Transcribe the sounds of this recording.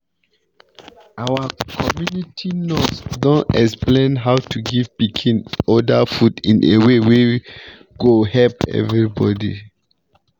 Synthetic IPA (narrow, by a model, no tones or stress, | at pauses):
awakʰɔmjunitʰinɔtsdɔ̃nɛksplẽnɦawtuɡivpikʰĩnɔdafudĩnʔḛwewe | ɡ̥ohɛlpɛ̰vɹibɔdḭ